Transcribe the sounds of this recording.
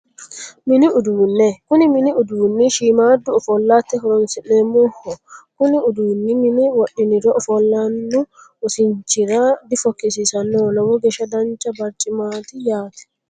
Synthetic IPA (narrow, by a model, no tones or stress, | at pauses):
miniuduːnːɛkuniminiuduːnːiʃimadɔɔfɔlːat̪ːɛɦɔɾɔnsɛnɛmɔhɔkuniuduːnːiminiwaɗːinidɔʔɔfɔlːanːɔː | siɲt͡ʃiɾadifɔkːisisanːɔlɔwɔɡɛʃadant͡ʃabaɾtʼimat̪ijaːt̪ɛ̥